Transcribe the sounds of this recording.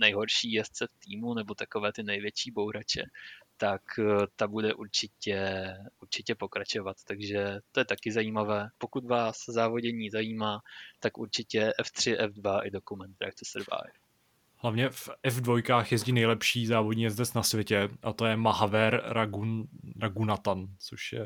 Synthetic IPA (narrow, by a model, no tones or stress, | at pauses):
nɛjɦo̞ɾʃiːjɛst̪t͡sɛft̪iːmunɛbo̞t̪akovɛːt̪ɪnɛjvjɛt͡ʃiːbo̞wɾat͡ʃɛ̰t̪akt̪abudɛʔuɾt͡ʃɪcɛʔuɾt͡ʃɪcɛpo̞kɾat͡ʃo̞vat̪t̪aɡʒɛt̪o̞jɛt̪akɪzajiːmavɛːpo̞kut̪vaːszaːvo̞ɟɛɲiːzajiːmaːt̪akṵɾt͡ʃɪcɛʔɛft̪r̝̥ɪʔɛfdvaʔɪdo̞kumɛnt̪d̪ɾa̰kt͡sɛsɛɾva̰j | hlavɲɛfʔɛvdvojkaːxjɛzɟiːnɛjlɛpʃiːzaːvodɲiːjɛzd̪ɛt͡snasvʲjɛcɛʔat̪ojɛmaɦavɛɾɡɾaɡunat̪ant͡soʃjɛ̰